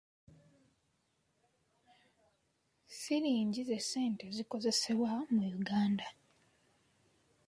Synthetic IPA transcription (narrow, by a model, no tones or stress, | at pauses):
siɾiːɲɟize̞se̞ːnte̞ziko̞ze̞se̞βwamujuɡaːnda